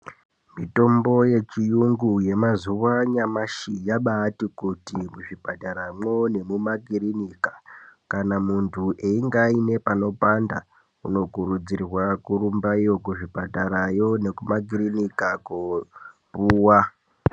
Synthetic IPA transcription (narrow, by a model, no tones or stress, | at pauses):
mito̞mbo̞je̞t͡ʃijuŋɡuje̞mazuʋaɲamaʃijaɓatikutimuʐibʱataɾamone̞mumakirinikḁkanamuntʰuʔeiŋɡaine̞pano̞panda̰ | uno̞ɡʱuɾud͡zirwakuɾumbaijo̞kuʐibataɾajo̞ne̞kumaɡiɾinikakopuːwa